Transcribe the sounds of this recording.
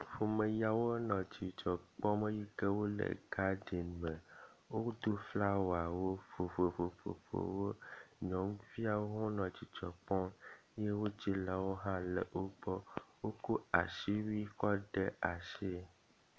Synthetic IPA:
fo˨mẽ˨ja˨wo˦nɔ̃˨t͡ɕi˨t͡ʃɔ˨k͡pɔ̃˦mẽ˦ji˦ke˦wo˦lḛ˨ɡa˦ɖi˨nmɛ˨wo˦d̪o˦fla˦wo˨a˨wo˦fo˨fo˨fo˨fo̰˨fo̰˨wo˦ɲɔ̃˨˦m˦vi˦a˦wo˦ɦɔ̃˦nɔ̃˨t͡ʃi˨t͡ʃɔ˨k͡pɔ˦je˦wo˦t͡ʃi˦la˨wo˦ɦã˦lɛ̰˨o˦k͡pɔ˦wo˦ko˦a˨ʃi˦wi˦kɔ˦ɖe˦a˨ʃe˦

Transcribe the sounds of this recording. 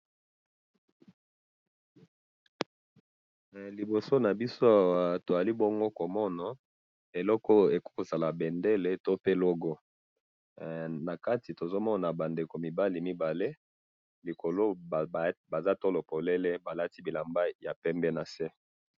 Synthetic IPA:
li˨bo˨so˦na˨bi˦so˦a˨wa˨to˨ja˨li˦bɔ˦ŋɡo˦ko˨mɔ˦na˨ | e˨lɔ˦kɔ˦e˨ku̥˦ko˨za˨la˨bɛ˨nde˦le˦to˦pe˦˨lɔ˦ɡɔ˦ | na˨ka˦ti˨to˨zo˦mɔ˦na˨ba˨nde˨ko˨mi˨ba˦li˨mi˦ba˨le˦ | li˨ko˨lo˦˨ | ba˨za˦to˦lo˨po˨le˦le˦ba˨la˦ti˦bi˨la˨mba˦ja˨pɛ˦mbɛ˦na˨se˦

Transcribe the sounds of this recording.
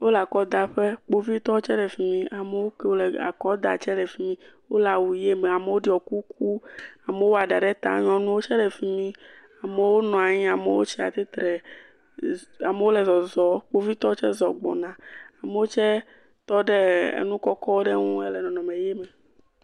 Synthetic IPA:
wo˦la˨kɔ˦d̪a˨ɸe˦k͡po˦vi˦t̪ɔ˦t͡ʃɛ˦lɛ˨fi˨mĩ˦a˨me˨˦wo˦ke˨wo˦lɛ˨a̰˨kɔ˦d̪a̰˨t͡ʃɛ˦lɛ˨fi˨mĩ˦wo˦la˨wu˨je˦me˨a˨me˨wo˦ɖi˦ɔ˨ku˦k̚u˦a˨me˨wo˦a˨ɖa˨ɖɛ˦t̪a̰˨ɲɔ̃˨nũ˦wo˦t͡ʃɛ˦lɛ˨fi˨mĩ˦ | a˨me˨wo˦nɔ̃˨a˨ɲĩ˦a˨me˨wo˦t͡ʃi˦a̰˨t̪e˦t̪ɾɛ˨ | a˨me˨˦wo˦lɛ˨zɔ˨zɔ˨k͡po˦vi˦t̪ɔ˦wo˦t͡ʃɛ˦zɔ˨ɡ͡bɔ̰˨nã˨a˨me˨wo˦t͡ʃɛ˦ | t̪ɔ˦ɖe˦ḛ˦nũ˦kɔ˦kɔ˦wo˦ɖe˦ŋũ˦e˦lɛ˨nɔ̃˨nɔ̃˨me˨je˦me˨

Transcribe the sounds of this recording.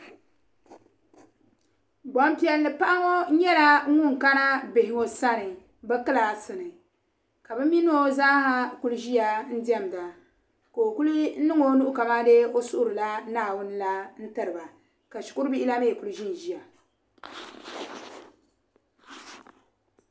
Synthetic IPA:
ɡ͡bɔ˦m˦pi˦ɛ˦lːɨ˨pa˦ʔa˦ŋo˦ɲɛ˦la˦ŋʊ˦ŋ˨ka˦na˦bɪ˨hɪ˨ŋo˨sa˦nɨ˨ | bɛ˦kɨ˦la˨sɨ˨nɨ˨ | ka˨bɛ˦mi˦n˦o˦zaː˦ha˦ku˦lʒi˦ja˨n̩˦di˦ɛ˦˨m˨da˨ | ka˨o˨ku˦lɨ˦nɨ˦ŋo˦nu˦ʔʊ˦ka˨ma˦de˦o˦sʊ˦ʔʊ˦ɾɨ˨la˦naː˨wʊ˦n˦la˦n̩˦tɨ˦ɾɨ˨ba˨ | ka˨ʃi̥˨kʊ˦ɾɨ˦bi˦ʔɪ˦la˦me˦˨ku˦lʒi˦n˨ʒi˦ja˨

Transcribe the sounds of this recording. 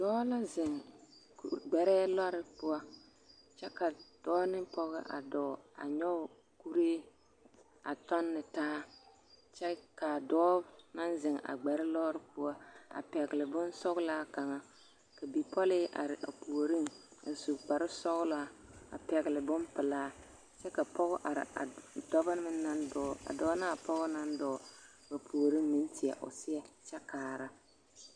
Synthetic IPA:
d̥ɔː˦la˦zɪ˨ŋkɡ͡bɛ˨ɾɛ˦lɔ˦ɾɪ˨pʊ˦a˦ | t͡ʃɛ˦ka˨d̥ɔː˦nɪ˦pɔ˦ɣɪ̰˦ʔa̰˨dɔ˨a̰˨ɲɔ˦ʊ˨ | ku˦ɾeː˦ | a˨tɔ˦nːɪ˨taː˦ | t͡ʃɛ˦ka˨dɔː˦na˦nzɪ˨ŋa̰˨ɡ͡bɛ˨ɾɪ˦lɔ˦ɾɪ˨pʊ˦a˦a̰˨pɛ˨ɡlɪ˨bʊ˦nsɔ˦ɣla˦ka˨ŋa˨ | ka˨bi˨pɔ˦lɪ˦ʔa̰˨ɾɪ˨ʔa˨pu˨o˨ɾi˦ŋa̰˨zu˨kɡ͡ba˨ɾɪ˦sɔ˦ɣla˦a̰˨pɛ˨ɣɪ˨lɪ˨bʊ˦mpɪ˨laː˦ | t͡ʃɛ˦ka˨pɔ˦ɣʊ˦ʔa˨ɾɪ̰˨a̰˨dɔ˦ba˦n˦mɪ˦na˦ndɔː˨˦˨a̰˨dɔː˦na˦˨pɔ˦ɣʊ˦na˦ndɔː˨ | ba˨pʰu˨o˨ɾi˦ŋmɪ˦ntɪ˨ɛ˨ʔʊ̰˨sɪ˦ɛ˦t͡ʃɛ˦kaː˨ɾa˦

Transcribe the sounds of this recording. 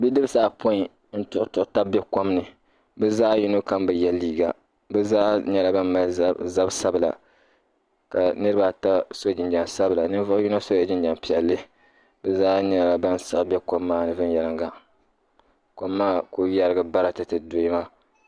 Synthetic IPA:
bi˦dɨ˦bsaː˦pʰo˦i˨ | n̩˦tʊ˦ʔʊ˦tʊ˨ʔʊ˦ta˦bɛ˦ko˦mnɨ˨ | bɛ˦zaː˦ji˦no˦ka˦mbɨ˨jɛ˦lːiː˦ɡa̰˨ | bɛ˦zaː˦ɲɛ˦la˨ba˦mma˦lza˦bsa˦bɨ˨la̰˨ | ka˨nɨ˦ɾɨ˦ba˨ta˦so˦˨d͡ʒɪ˨nd͡ʒa˨nsa˦bɨ˨la˨nɨ˦n˦vʊ˦ʔju˦no˦so˦ja˨d͡ʒɪ˦nd͡ʒa˨mpi˨ɛ˨lːɨ˦ | bɛ˦zaː˦ɲɛ˦˨la˨ba˦n˨sɨ˦ʔbɛ˦ko˦mːaː˦nɨ˨vɨ˦njɛ˨lɨ˦ŋɡa˨ | ko˦mːaː˦ko˦ja˦ɾɨ˦ɡɨ˦ba˦ɾa˨tɨ˨˦tɨ˨do˦i˦ma˦

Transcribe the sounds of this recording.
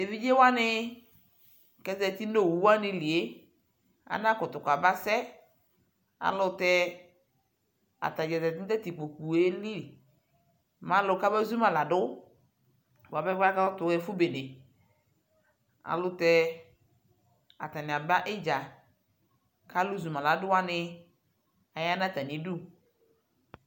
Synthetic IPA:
e˨vi˦d͡ʒe˦wa˦nɪ˦ | kɛ˨zɛ˨ti˦no˦˨wu˨wu˦a˦nɪ˧li˨e˨˦ | a̰˨na˦kʊ˨tʊ˨ka˨ba˦sɛ˦ | a̰˨lʊ˨tɛ˦ | a̰˨ta˨d͡ʒɛ˨tɛ˨tɪ˦tɛ˦ti˨k͡po˨ku˨e˦li˦˨ | mã˨˦lʊ˨ka˦bɛ˦zu˦ma˨la˨dʊ˦ | wa˨bɛ˦ka˦tʊ˨˦ɛ˦fʊ˦be˨nɪ˨ | a̰˨lʊ˦tɛ˦ | a̰˨ta˨nɪ˨a˨ba˦ʔɪ˦d͡ʒa˨ | ka˦lʊ˦zu˨mã˨la˨dʊ˦wa˦nɪ˧ | a˨ja˦na˦˨ta˨ni˨˦du˦

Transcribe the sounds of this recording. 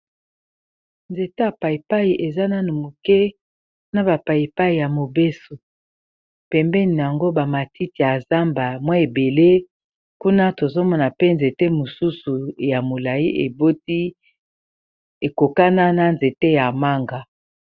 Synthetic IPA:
nze˨te˦ja˨pa˨i˨pa˦ji˨ʔe˨za˦na˦nu˨mu˨kɛ˦ | na˦ba˨pa˨ji˨pa˦i˨ja˨mo˨be˦so˨ | pɛ˨mbɛ˦ni˨n˨a˨ŋɡo˦ba˨ma˨ti˦ti˨ja˨za˦mba˨mwa˦e˨be˨le˦ | ku˦na˦to˨zo˦mɔ˦na˨pe˦nze˨te˦mo˨su˦su˨ja˨mo˨la˨jḭ˦ʔe˨bo˦ti˦ | e˨ko˨ka˦na˦na˦nze˨te˦ja˨ma˦ŋɡa˦

